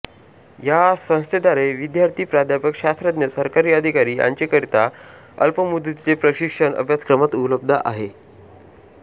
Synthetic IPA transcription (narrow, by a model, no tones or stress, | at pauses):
jasə̃w̃st̪ʰed̪aɾeʋid̪jaɾt̪ʰiːpɾad̪ʱjapəkɕast̪ɾad̪njəsəɾkaɾiːəd̪ʱikaɾiːa̰ɲt͡ɕekəɾit̪a | ə̰lpəmud̪t̪it͡sepɾəɕikʂəɳə̰bʱjat͡skɾəmat̪uləb̚d̪ʱa̰ʔa̰ɦe